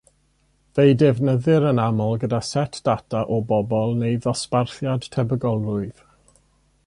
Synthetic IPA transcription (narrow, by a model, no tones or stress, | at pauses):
vejdɛvnəðɨɾənamɔlˠɡədasɛtʰd̥atʰaʔɔbɔbɔlˠnejðɔsparθjad̥tʰɛbəɡɔlˠʊɨð̥